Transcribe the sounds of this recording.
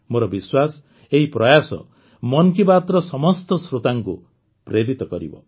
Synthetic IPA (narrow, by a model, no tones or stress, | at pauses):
moɾɔbiswas | eɦipɾʌjasɔ̰ | mʌnkibat̪ɾɔsɔmɔst̪ɔsɾot̪aŋkṵ | preɾit̪ɔkʌɾḭbɔ̰